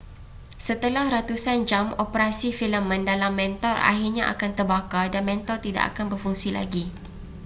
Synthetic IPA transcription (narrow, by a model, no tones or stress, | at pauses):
sət̪əlahɾat̪usand͡ʒamopəɾasifiləmə̃ndalamːɛ̃nt̪ɔra̰ɦirɲaʔa̰kant̪ərbakadanmɛ̃nt̪ɔrt̪ida̰ʔa̰kanbərfuŋsila̰ɡi